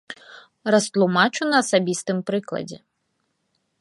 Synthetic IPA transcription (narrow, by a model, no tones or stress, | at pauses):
rɐst̪lˠʊmɑt͡ʃʊnɐɐsɐbʲist̪ɪmpɾɪklˠɐ̰dʲi